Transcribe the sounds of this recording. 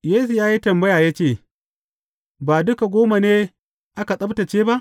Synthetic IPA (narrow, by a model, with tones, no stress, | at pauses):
jeː˦su˨jaː˦ji˦tɐ˨mbɐ˦jaː˨ja˦t͡ʃeː˦˨ | baː˨dʊ˦ka˨ɡʷoː˦ma˨neː˦ | ʔa˦ka˨sʼɐ˦bta˨t͡ʃeː˦ba˦ʔ